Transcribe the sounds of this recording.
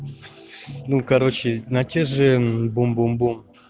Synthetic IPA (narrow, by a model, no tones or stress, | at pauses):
nukaɾot͡ɕɪnatʲeʐɨbombombum